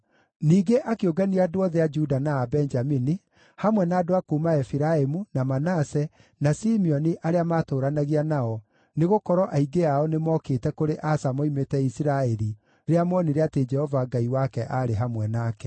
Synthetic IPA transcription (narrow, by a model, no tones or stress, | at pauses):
niːɡeʔakeoɡaniadoɔðɛad͡ʒudanaːbɛnd͡ʒamini | hamwɛnaːdoakuːmaɛfiɾaemunamanasɛ | nasimiɔniʔaɾeamatoːɾanaɣianaɔ | neɣokɔɾɔʔaiɡeaɔnemɔkeːtɛkoɾeʔasamoimetɛisiɾaɛɾi | ɾeamɔniɾeated͡ʒɛhɔvaɡaiwakɛʔaɾeɦamwɛnaːkɛ̥